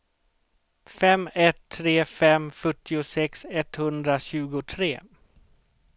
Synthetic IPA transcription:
fɛmːɛt̪ʰːɾeːfɛmfœʈːɪʊsɛksɛt̪hɵnd̪ɾaɕʉ̟ːɡʊt̪ʰɾeː

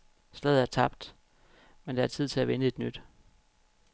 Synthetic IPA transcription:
sd̥eð̩ˠæɐt͡sʰɑ̈b̥d̥ | mend̥ɑ̈æɐt͡sʰið̞̰ˠt͡sʰe̝æʋenəe̝d̥nyd̥

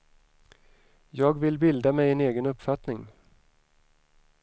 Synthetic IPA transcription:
jɑːɡvɪlbɪld̪amɛjɛneːɡənɵpfat̪nɪŋ

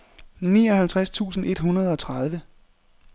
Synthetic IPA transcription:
niːɒ̽ɦælt͡sʰʁast͡sʰṵːsn̩ʔe̝d̥ɦunɐð̞̩ˠɒ̽t͡sʰʁað̞ˠʋə

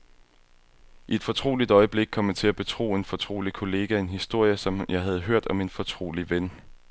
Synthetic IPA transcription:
ʔied̥fɒ̽t͡sʰʁo̝̰ːlid̥ɒ̽ɪəb̥le̝ɡ̥̚kʰɒ̽mət͡sʰe̝læb̥e̝t͡sʰʁo̝̰ːe̝nfɒ̽t͡sʰʁo̝̰ːlikʰo̝le̝ːɡ̥æe̝nɦisd̥o̝ɐ̰jəsɒ̽mjɑ̈ɪɦæð̞̩ˠɦøɐ̰d̥ɒ̽me̝nfɒ̽t͡sʰʁo̝̰ːliʋen

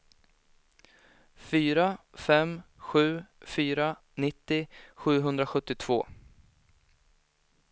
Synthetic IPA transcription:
fyːɾafɛmɧʉ̟ːfyːɾa | nɪt̪ːɪɧʉ̟ːɦɵnd̪ɾaɧɵt̪ːɪt̪ʰv̥o̰ː

